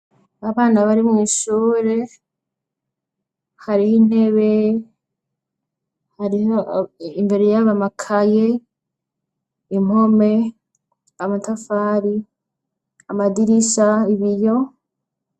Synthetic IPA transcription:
aβaːnaβaɾimuiʃuːɾe̞ | haɾihine̞βe | haɾiɦoimbe̞ɾe̞jaβamakʰaje | im̥o̞me̞ | amatafaːɾi | amadiɾisaiβijo̞

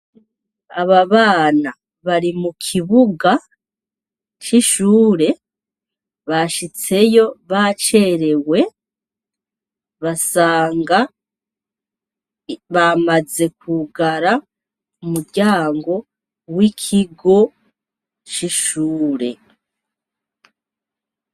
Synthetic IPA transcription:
aβaβaːna | βaɾimukʰiβuɡa | t͡ʃiʃuːɾe̞ | βaʃit͡se̞jo̞βat͡ʃe̞ɾe̞we̞ | βasaːŋɡa | βamaze̞k̚uɡaɾa | umuɾɟaːŋɡo̞ | wikʰiɡo̞ | t͡ʃiʃuːɾe̞

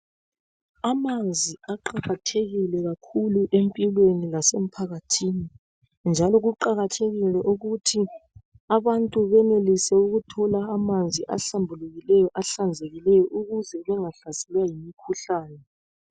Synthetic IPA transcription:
amand͡zʱiaǃaɣatʰeɣilɛɣakʰuluʔempʼilwenilasem̩pʰaɣatʰini | nd͡ʒʱalɔɣuǃaɣatʰeɣilɛʔuɣutʰi | aβantʼuβɛnelisɛuɣutʰɔlaːmand͡zʱiʔa̰ɬambʱuluɣilɛjɔʔaɬand͡zʱeɣilɛjɔʔuɣuzɛβɛŋaɬasɛlwajimikʰuɬaːjɔ

